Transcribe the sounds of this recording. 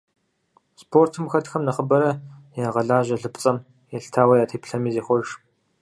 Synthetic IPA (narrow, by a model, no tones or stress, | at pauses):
spʰoːrtʰɨmxɐtxɐmnɐχəbɐɾɐjaːʁɐɮaːʑɐɮɨpt͡sʼɐm | jɛɬtʰaːwɐjaːtʰepɬɐmiːzeːχʷɔrʂ